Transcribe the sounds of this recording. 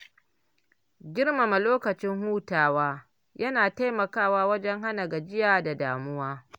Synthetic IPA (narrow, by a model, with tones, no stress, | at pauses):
ɡʲɪ˦rma˨ma˨loː˦kɐ˨t͡ʃɪ˦ŋɦuː˦taː˨waː˦ | jʔɐ˦naː˨ta˦jmɐ˨kaː˦˨waː˦wɐ˦d͡ʒɛ˦ŋɦa˦na˨ɡa˨d͡ʒɪ˦jaː˨da˨daː˨mʊ˦waː˦